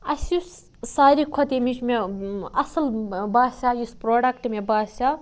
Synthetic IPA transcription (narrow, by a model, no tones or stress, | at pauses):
ɐsjus | saːɾikʰot̪emit͡ʃmeɐsɐlbaːsʲaːjuspɾoːɖɐkʈmebaːsʲa